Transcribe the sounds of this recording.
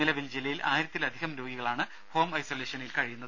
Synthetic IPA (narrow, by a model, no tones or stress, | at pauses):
ilɐʋild͡ʑilːɐjilʔaːjiɾɐt̪ːilɐd̪ʱiɦɐmɾo̞ːɡiɣɐɭaːɳɨ | ho̞ːmɐjsoːleːʂɐnilkɐɻijunːɐðɨ